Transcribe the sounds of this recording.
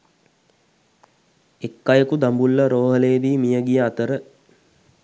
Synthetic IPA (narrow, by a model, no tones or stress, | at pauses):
ekːajəkud̪ambulːɐɾoːɦəleːd̪iːmijəɡijəat̪əɾə